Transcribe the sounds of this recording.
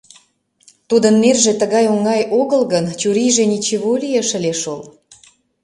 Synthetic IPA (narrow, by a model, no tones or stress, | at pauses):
t̪ud̪ənːerʒĕt̪əɣɑjoŋɑjoɣəlɣənt͡ɕuɾijʒenʲit͡ɕiβolijeʃə̆lʲeʃol